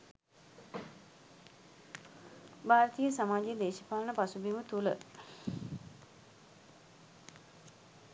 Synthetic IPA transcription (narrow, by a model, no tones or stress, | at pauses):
bʱaːɾət̪ijəsamaːd͡ʒejəd̪eːʃipalənəpasubimət̪ulə̰